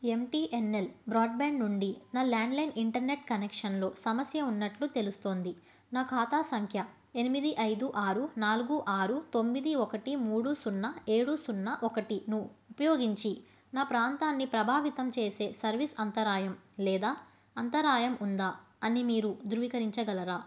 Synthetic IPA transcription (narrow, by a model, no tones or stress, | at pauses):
e̞mʈiːʔenːelbɾaːɖbaːɳɖnuɳɖinaːlaːɳɖlɐjniɳʈɐɾne̞ʈ̚kɐnekʂɐnlo̞ːsɐmɐsjɐunːɐʈlut̪e̞lust̪o̞ːnd̪i | naːkʰaːt̪aːsɐŋkʰjɐ | e̞nimid̪iʔɐjd̪uʔaːɾunaːluɡuʔaːɾut̪o̞mːid̪iɔkɐʈimuːɽusunːɐeːɽusunːɐʔɔkɐʈinuupɐjoːɡiɲt͡ʃi | naːpɾaːnt̪aːnːipɾɐbʱaːʋit̪ɐmt͡ʃe̞ːse̞ːsɐɾʋisɐnt̪ɐɾaːjɐmlɛːd̪aː | ɐnt̪ɐɾaːjɐmund̪aː | ɐnimiːɾud̪uɾuʋiːkɐɾiɲt͡ʃɐɡɐlɐɾaː